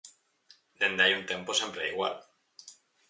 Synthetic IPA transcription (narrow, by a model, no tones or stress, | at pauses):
d̪e̞nd̪e̞ajunt̪e̞mpo̞sempɾeiɣwa̰l